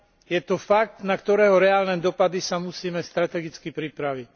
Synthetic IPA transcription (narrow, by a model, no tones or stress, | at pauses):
jɛt̪ɔfak̚t̪nakt̪ɔɾɛːɦɔɾɛaːlnɛd̪ɔpad̪isamusiːmɛst̪ɾat̪ɛɡit͡skipɾipɾaʋic